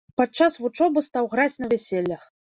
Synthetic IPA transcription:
pat͡ʂːasvut͡ʂɔbɨst̪awɣɾat͡sʲnɐvʲɛsʲelʲːɐx

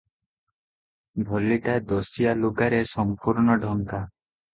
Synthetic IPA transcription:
bʱɔliʈad̪ɔsijaluɡaɾesɔmpuɾɳɔɖʱɔŋka

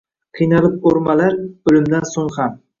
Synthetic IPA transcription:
qʰijnɑlˠɨp̚oɾmɑlaɾɵlymd̪ænsoŋχam

